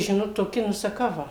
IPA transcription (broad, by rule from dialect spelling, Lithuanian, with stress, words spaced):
ˈʒʲɪnoːt toːˈkʲɪ nʊ sɐˈkɐʊ ˈʋɐ